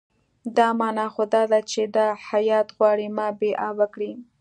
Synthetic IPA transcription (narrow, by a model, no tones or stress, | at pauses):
d̪ɑmɑnɑxod̪ɑd̪at͡ʃed̪ahajɑt̪ɣwɑɽimɑbeʔɑwakɽi